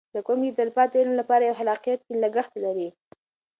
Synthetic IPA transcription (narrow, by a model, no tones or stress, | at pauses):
d̪əkomɡit̪alpɑt̪̚ːɪlmlapɑɾajawɦalɑqijat̪̚kilaɡəxt̪laɾi